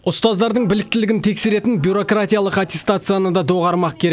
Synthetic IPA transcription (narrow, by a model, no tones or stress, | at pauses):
ʊst̪ɑzd̪ɑɾd̪əɴbɪlɪk̚t̪ɪlɪɡʲɪnt̪ʰe̞kse̞ɾe̞t̪ɪnbʲjuɾo̞krat̪ʲijalˠəqat̪ʲe̞st̪at̪sɨjanəd̪ɑd̪oʁɑɾmɑq̚kʲʰe̞ɾek